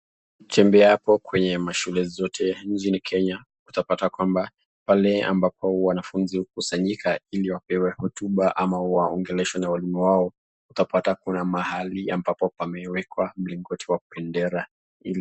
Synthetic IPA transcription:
t͡ʃɛmbɛapɔkwɛɲɛmaʃulɛzɔtʰɛnt͡ʃinikʰɛɲa | utapatakwamba | palɛa̰mbapɔwanafunzihukusaɲikʰailiwapɛwɛhɔtuɓaʔamawaɔŋɡɛlɛʃwanawalimuwaɔ | utapatakunamahaliambapɔpamɛwɛkwam̩liŋɡɔtʰiwakupɛndɛɾa | ili

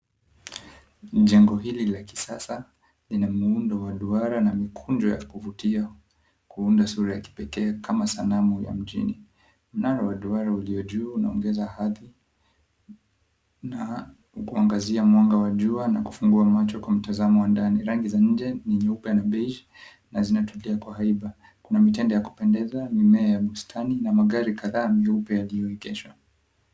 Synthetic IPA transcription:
ʄɛŋɡɔɦililaki̥sasa | linamuundɔwaɗuaɾanamikʰund͡ʒɔja̰kuvutia | kuundasuɾajaki̥pɛkɛːkʰamasanamuja̰m̩ʄḭni | m̩naɾawaɗuaɾauliɔʄuːunaɔŋɡɛzahaði | na | ukuaŋɡaziamwaŋɡawaʄuanaku̥fuŋɡuamat͡ʃɔkwam̩tazamɔwandaniɾaŋɡizaɲ̩d͡ʒɛniɲɛupɛanaɓeid͡ʒi | nazinatuliakwahaiɓa | kunamitɛndɔjaku̥pɛndɛzamimɛajaɓustʰaninamaɠaɾikaðaːmɛupɛjalijɔikɛʃwa

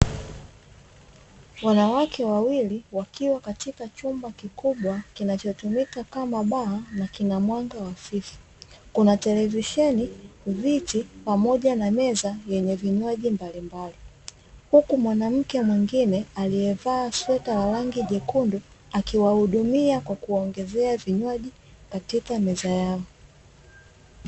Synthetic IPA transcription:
wanawakʰɛwawiliwakiwakatikat͡ʃumbakikuɓwakinat͡ʃɔtumikakamaɓaanakinamwaŋɡawafifu̥ | kunatɛlɛviʃɛnivitipamɔʄanamɛzajɛɲɛviɲwaʄimbalimbali | hukumwanam̩kɛmwiŋɡinɛaliɛvaːswɛtawaɾaŋɡiʄɛkundu | akiwahuɗumiakwakuɔŋɡɛzɛaviɲwaʄi | katikamɛzajaɔ

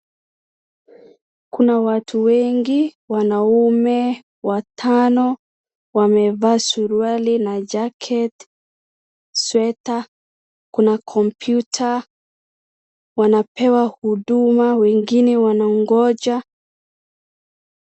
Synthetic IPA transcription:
kunawatʰuwɛŋɡiwanaumɛ | watʰanɔ | wamɛvaːsuɾualinad͡ʒakʰɛt | swɛta | kunakʰɔmpʰjutʰa | wanapɛwahuɗumawɛŋɡinɛwanaŋɡɔd͡ʒa

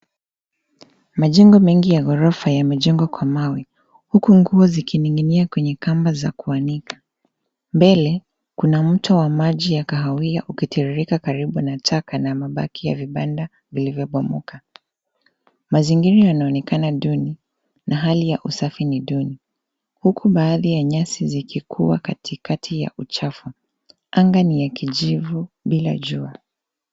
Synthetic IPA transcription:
maʄɛŋɡɔmɛŋɡijaɣɔɾɔfajamɛʄɛŋɡwakwamawi | hukuŋɡuɔzikiniŋɡiniakwɛɲɛkambazakuanikʰḁ | mbɛlɛ | kunam̩tɔwamaʄijakaɦawiaʔukitiɾiɾikakaɾiɓunatʰakanamaɓa̰kija̰viɓanda | vilivjɔɓɔmuka | maziŋɡiɾajanaɔnɛkanaɗuni | naɦalijaʔusafiniɗuni | hukʰuɓaːðijaɲasizikʰikʰuwa̰katʰikatʰija̰ʔut͡ʃafu | ʔaŋɡanijakiʄivuɓila̰ʄua

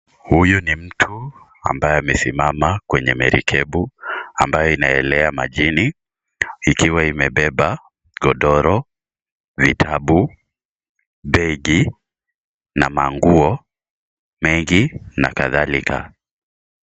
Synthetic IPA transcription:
hujɔnim̩tʰu | a̰mbajɛamɛsimamakwɛɲɛmɛɾḭkʰɛɓuambajɔinaɛlɛamaʄini | ikiwaimɛɓɛɓa | ɡɔɗɔɾɔ | vitʰaɓu | ɓɛɡi | namaŋɡuɔ | mɛŋɡina̰kaðalikʰa̰

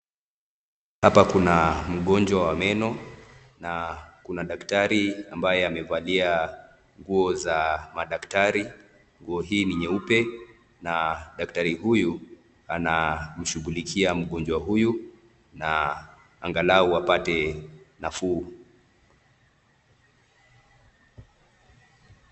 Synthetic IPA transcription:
hapakunam̩ɠɔɲd͡ʒwawamɛnɔ | nakunaɗaktaɾiambajɛamɛvalia | ŋɡuɔzamaɗaktaɾi | ŋɡuɔɦiːniɲɛupɛ | naɗaktaɾiɦuju | anam̩ʃuɡulikʰiam̩ɠɔnd͡ʒwaɦuju | na | aŋɡalauapatɛnafuː

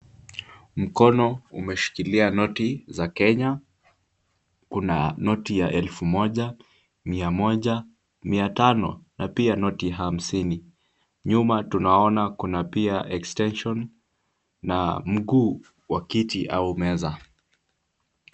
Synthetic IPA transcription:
m̩kɔnɔumɛʃi̥kilianɔtizakɛɲa | kuna̰nɔtijaʔɛlfumɔʄa | miamɔʄa | miatanɔ̰napianɔtiɦam̩sini | ɲumatunaɔnakunapiaʔɛkstɛnʃɔnː | a̰m̩ɠuː | wakitiʔaumɛza

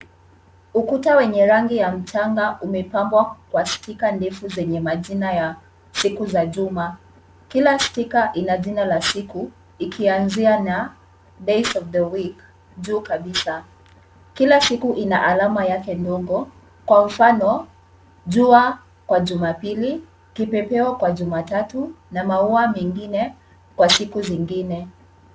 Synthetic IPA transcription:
ukutawɛɲɛɾaŋɡijam̩t͡ʃaŋɡaʔumɛpambwakwastikandɛfuzɛɲɛmaʄinaja | sikuzaʄuma | kilastikaʔinaʄinalasiku | ikʰianziana | dɛjsɔvðəwik | ʄuːkaɓisa | kilasikuʔinaʔalamajakɛndɔɠɔ | kwam̩fanɔ | ʄua | kwaʄumapili | kipɛpɛakwaʄumatatu | namauamɛŋɡinɛ | kwasikuziŋɡinɛ

